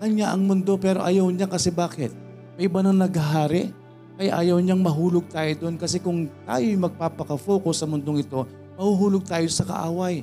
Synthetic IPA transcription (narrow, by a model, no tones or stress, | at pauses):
kɐŋɲaʔɐŋmʊnd̪o̞pɛːɾo̞ʔɐjɐwɲakɐsɛbaːkɪt̪̚ | mɐʔɪbanɐŋnɐɡɐɦaːɾɪ | kɐjaʔaːjɐwɲaŋmɐɦuːloɡ̚t̪aːjod̪onkɐsɛkʊŋt̪a̰ːjojmɐɡ̚paːpɐkɐfoːkosːɐmʊnd̪oŋɪt̪o̞ | mɐhuɦuːloɡ̚t̪aːjosɐkɐ̰ʔa̰ːwɐj